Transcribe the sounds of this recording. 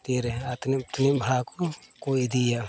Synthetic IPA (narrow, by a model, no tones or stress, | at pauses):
t̪eɾɛat̪nip̚t̪unibʱakɔkojid̪ija